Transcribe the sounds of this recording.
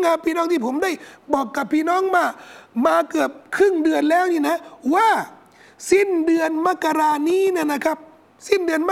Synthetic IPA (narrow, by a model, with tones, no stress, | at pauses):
ŋaː˧pʰiː˧˩nɔː˦˥ŋt̪ʰiː˥˩pʰo˩˦mda˥˩jbɔː˨˩kːa˨˩pʰːiː˧˩˨nɔː˦˥˨ŋmaː˧˩maː˧kɯ˨˩əp̚kʰɾɯ˥˩ŋdɯ˧ənlɛː˦˥wniː˧˩na˦˥waː˧˩ | si˥˩ndɯ˧ənma˦˥ka˧ɾaː˧niː˦˥˨na˧˩na˦˥˩kʰa˦˥p̚ | si˦˥˩ndɯ˧ənm˦˥